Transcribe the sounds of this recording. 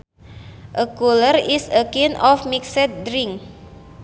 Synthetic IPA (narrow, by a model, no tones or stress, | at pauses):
ʔəkulərisəkinʔɔfmiksət̪̚dɾiŋ